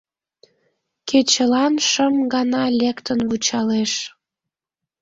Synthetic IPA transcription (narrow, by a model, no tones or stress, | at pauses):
kʰet͡ɕəlɑnʃəmɡɑnɑlʲekt̪ənβut͡ɕɑleʃ